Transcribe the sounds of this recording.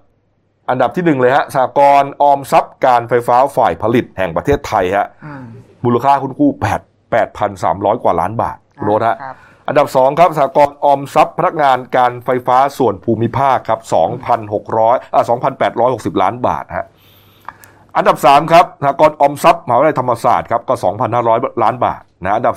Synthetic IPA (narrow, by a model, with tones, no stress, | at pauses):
ʔa˧nda˨˩p̚t̪ʰiː˥˩nɯ˨˩ŋlɤː˧jha˦˥ʔsaː˩˦kɔː˧nʔɔː˧msa˦˥p̚kaː˧nfa˧jfaː˦˥faː˨˩jpʰa˧li˨˩t̪̚hɛ˨˩ŋpɾa˧t̪ʰeː˥˩t̪ʰːa˧jha̰˦˥ʔ | muː˧la˧kʰaː˥˩kʰu˥˩nkʰuː˥˩pɛː˨˩t̪̚ | pɛː˨˩t̪̚pʰa˧nsa̰ː˩˦mɾɔː˦˥jkwaː˨˩laː˦˥nba̰ː˨˩t̪̚kʰu˧nʔo˦˥˩t̪̚ɦa˦˥ʔ | ʔa̰˧nda˨˩p̚sɔː˩˦ŋkʰa˦˥p̚saː˩˦kɔː˧nʔɔː˧msa˦˥pʰːa˧na˦˥k̚ŋaː˧nkaː˧nfa˧jfaː˦˥su˨˩ənpʰuː˧mi˦˥pʰaː˥˩kʰːa˦˥p̚sɔː˩˦ŋpʰa˧nho˨˩k̚ɾɔː˦˥jʔaː˨˩sɔː˩˦ŋpʰa˧npɛː˨˩t̪̚ɾɔː˦˥jho˨˩k̚si˨˩p̚la̰ː˦˥nba̰ː˨˩t̪̚ha̰˦˥ | ʔa˧nda˨˩p̚saː˩˦mkʰa˦˥p̚sa˩a˦kɔː˧nʔɔː˧msa˦˥p̚maː˩˦wla˧jt̪ʰa˧mːa˧sa̰ː˨˩t̪̚kʰa˦˥p̚kɔː˥˩sɔː˩˦ŋpʰa˧nhaː˥˩ɾɔː˦˥jlaː˦˥nba̰ː˨˩t̪̚na˧˦˥ʔa˧nda˨˩